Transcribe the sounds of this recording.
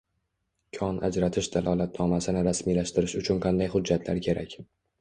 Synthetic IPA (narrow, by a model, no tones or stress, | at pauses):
kʲʰɒna̰d͡ʒɾat̪ʰɪʃd̪alˠɒlat̪nɒmasɪnɪɾasmilaʃt̪ɪɾɪʃʊt͡ʃʰʊnqʰɑnd̪ajχʊd͡ʒːat̪ʰlaɾkʲʰe̞ɾa̰kʲ